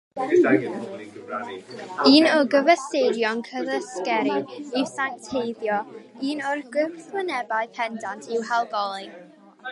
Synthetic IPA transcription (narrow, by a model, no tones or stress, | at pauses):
a | aiːnɔɡəvəsejdjɔnkʰəðəskɛɾiɪsantʰejðjɔiːnɔrɡwɪθwənɛbaɨpʰɛndantʰɪwhalˠɡɔlˠi